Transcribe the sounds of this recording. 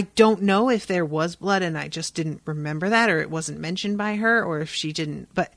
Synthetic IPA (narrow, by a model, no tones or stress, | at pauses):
ɪdõʊ̃nːoʊɪfðə˞wʌzblʌɾɨ̃naɪd͡ʒʌsd̥ɪdⁿn̩ʔɹɨmɛ̃mbə˞ðɨɾə˞ɨ̰ʔ̚wʌz̃n̩mɛ̃nʃɨ̃n̩̚baɪə˞ə˞ɨfʃidɪdⁿn̩tb̥ʌt̚